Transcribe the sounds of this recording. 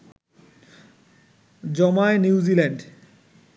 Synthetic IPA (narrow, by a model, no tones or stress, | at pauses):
d͡ʑɔmaeniwzilɛɳɖ